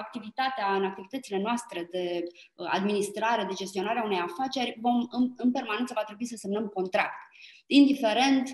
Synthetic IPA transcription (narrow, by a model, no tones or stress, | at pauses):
ak̚t̪ivit̪at̪eaɨnak̚t̪ivit̪ət̪sile̞noast̪ɾe̞d̪e̞ | a̰d̪minist̪ɾaɾe̞d̪e̞d͡ʒe̞st̪io̞naɾeaune̞jafat͡ʃe̞rʲvo̞mmɨnpe̞rmanent̪səvat̪ɾebuisəse̞mnəmko̞nt̪ɾak̚t̪ | ind̪ife̞ɾe̞nt̪